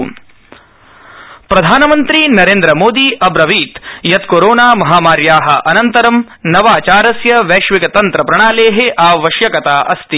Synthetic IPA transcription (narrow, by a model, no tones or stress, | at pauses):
pɾɐd̪ʱaːnɐmɐnt̪ɾinɐɾeːnd̪ɾɐmoːd̪iʔɐbɾɐʋiːt̪jɐt̪koːɾoːnaːmɐɦaːmaːɾjaːɦɐ̆ʔɐnɐnt̪ɐɾɐm | nɐʋaːt͡ʃaːɾɐsjɐʋeːʃʋikɐt̪ɐnt̪ɾɐpɾɐɳ̃aːleːɦeʔaːʋɐʃjɐkɐt̪aːʔɐst̪i